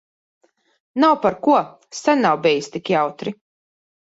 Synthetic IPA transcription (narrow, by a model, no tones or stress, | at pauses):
nawpaɾkuɔ | sanːawbʲɛjst̪ikjawt̪ɾi